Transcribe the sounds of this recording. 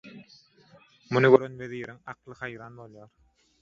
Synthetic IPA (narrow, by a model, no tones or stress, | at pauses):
munuɡøɾønweðiːɾiŋɑqlˠɯhɑjɾɑːnbo̞lˠjɑːɾ